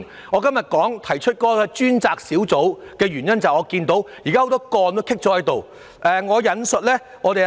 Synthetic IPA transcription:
ŋɔː˨˧kɐ˥mjɐ˨t̚kɔː˨˥ŋt̪ʰɐ˨˩jt͡ʃʰɵ˥t̚kɔː˧ka˧t͡ʃyː˥nt͡saː˨k̚siː˨˥wt͡so˨˥wkɛː˧ɥyː˨˩njɐ˥nt͡sɐ˨wɔː˨˧kiː˧nt̪o˨˥wji˨˩kaː˥ho˧˥wt̪ɔː˥kɔː˧nt̪o˥wkʰɪ˥k̚t͡ʃɔː˨˧˥hɐ˨˥jt̪o˨w | ʔɛː˨ŋɔː˨˧jɐ˨˧nsɵ˨t̚lɛː˥ | ŋɔː˨˧t̪e˨

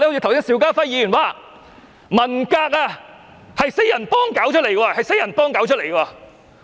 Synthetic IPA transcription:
li˧˨˩wsi˥ŋsiː˨˥wkaː˥fɐ˥jiː˨˧˥jy˨˩nwaː˨˧˩ | mɐ˨˩nkaː˧k̚aː˧ | hɐ˨jse˥jɐ˨˩npɔː˥ŋkaː˨˥wt͡ʃʰt̚le˨˩jɡaː˧hɐ˨jse˥jɐ˨˩npɔː˥ŋkaː˨˥wt͡ʃʰɵ˥le˨˩jkɐ˧aː˧

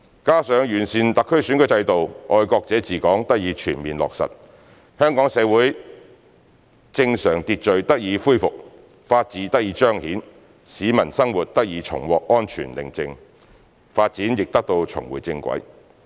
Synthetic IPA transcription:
kaː˥sœː˨˧ŋjyː˨˩nsiː˨˧nt̪ɐ˨kʰːɵ˥syː˨˥nkʰɵ˨˥t͡sɐ˧jt̪o˨wʔɔː˧jkɔː˧k̚t͡sɛː˨˥t͡siː˨kɔː˨˥ŋt̪ɐ˥k̚jiː˨˧t͡ʃʰyː˨˩nmiː˨nlɔ̰ː˨k̚sɐ̰˨t̚ | hœː˥ŋkɔː˨˥ŋsɛː˨˧wuː˨˥j | t͡sɪ˧ŋsœː˨˩ŋt̪iː˧t̚t͡ʃɵ˨ɥt̪ɐ˥k̚jiː˨˧fuː˥jfʊ˨k̚ | faː˧t̚t͡siː˨˥t̪ɐ˥k̚jiː˨˥t͡ʃœː˥ŋhiː˨˥n | siː˨˧˥mɐ˨˩nsɐ˥ŋwuː˨t̚t̪ɐ˥k̚jiː˨˧t͡ʃʰʊ̰˨˩ŋwɔː˨k̚ɔː˥nt͡ʃʰy̰ː˨˩nlɪ̰˨˩ŋt͡sɪ˧ŋ | faː˧t̚t͡siː˨˥njɪ˨k̚t̪ɐ˥k̚t̪o˧wt͡sʰʊ̰˨˩ŋwṵː˨˩jt͡sɪ˧ŋkʷɐ̰˨˥j

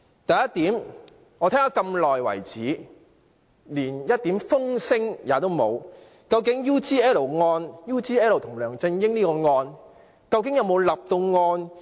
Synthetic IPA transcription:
t̪ɐ˨jɐ˥t̚t̪iː˨˥m | ŋɔː˨˧t̪ʰɛː˥ŋaː˨˧kɐ˧mlɔː˨jwɐ̰˨˩jt͡siː˨˥ | liː˨˩njɐ˥t̚t̪iː˨˥mfʊ˥ŋsɪ˥ŋjaː˨˧t̪o˥wmo˨˧w | kɐ˧wkɪ˨˥ŋjuː˥t͡siː˥ɛː˥lo˨˩wŋɔː˧njuː˥t͡siː˥ɛː˥lo˨wt̪ʰʊ˨˩ŋlœː˨˩ŋt͡sɪ˧ŋjɪ˥ŋniː˥kɔː˧ŋɔː˧n | kɐ˧wk̬ɪ˨˥ŋjɐ˨˧wmo˨˧wlɐ˨p̚t̪o˧wŋɔː˧n

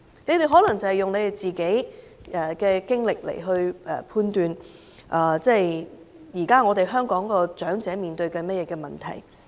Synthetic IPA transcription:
ne˨˧jt̪e˨jɦɔː˨˥lɐ˨˩ŋt͡sɐ˨˩hjʊ˨ŋne˨˧jt̪e˨˩jt͡siː˨ke˨˥j | ɛ˨˩kɛː˧kɪ˥ŋlɪ˨k̚lḛ˨˩jɦɵ˧ɥɛ̰ː˨˩pʰuː˧nt̪yː˨˧n | ʔaː˨˩t͡sɛː˥˩j | jiː˨˩kaː˥ŋɔː˨˧t̪e˨jɦœː˥ŋkɔː˨˥ŋkɔː˧t͡ʃœː˨˥ŋt͡sɛː˨˥miː˨˩nt̪ɵ˧ɥkɐ˧mɐ˥t̚jɛː˧kɛː˧mɐ˨˩nt̪ʰɐ̰˨˩j

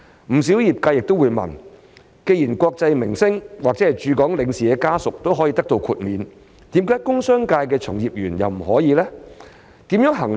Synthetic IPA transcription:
m̩˨˩si˨˥wjiː˨p̚kaː˧jɪ˨k̚t̪o˥wuː˨˧jmɐ̰˨˩n | ke˧jiː˨˩nkʷɔː˧k̚t͡sɐ˧jmɪ˨˩ŋsɪ˥ŋwaː˨k̚t͡sɛ˨˥hɐ˨jt͡ʃyː˨˧kɔː˨˥ŋlɪ˨˧ŋsiː˨kɛː˧kaː˥sʊ˨k̚t̪o˥wɦɔ˨˥jiː˧t̪ɐ˥k̚t̪o˧wkʰuː˨˧t̚miː˨˧n | t̪iː˨˥mkaː˨˥jkʊ˥ŋsœː˥ŋkaː˧jkɛː˧t͡sʰʊ˨˩ŋjiː˨˩p̚jyː˨˩njɐ̰˨wm̩˨˩ɦɔː˨˥jiː˨˧lɛː˥ | t̪iː˨˥mjœː˨˥ŋɦɐ˨˩ŋ

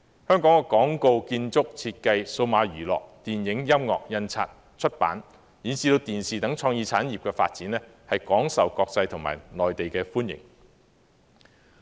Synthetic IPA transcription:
hœː˥ŋkɔː˨˥ŋkɛ˧kɔː˨˥ŋko˧wkiː˧nt͡sʊ˥k̚t͡sʰiː˧t̚kɐ˧jso˧wmaː˨˧ɥyː˨˩lɔ̰ː˨k̚t̪iː˨˩njɪ˨˥ŋjɐ˥mŋɔ̰ː˨k̚jɐ˧nt͡sʰa̰ː˧t̚ | t͡ʃʰɵ˥t̚pa̰ː˨˥n | jiː˨˥nsiː˧t̪o˧t̪iː˨nsiː˨t̪ɐ˨˥ŋt͡ʃʰɔː˧ŋjiː˧t͡sʰaː˨˥njiː˨˩p̚kɛː˧fa̰ː˧t̚t͡siː˨˥nlɛː˥ | hɐ˨jkɔː˨˥ŋsɐ˨˩wkɔː˧k̚t͡sɐ˧jt̪ʰʊ˨˩ŋma̰ː˨˩jnɔː˨jt̪e˨jkɛː˧fuː˥njɪ̰˨˩ŋ

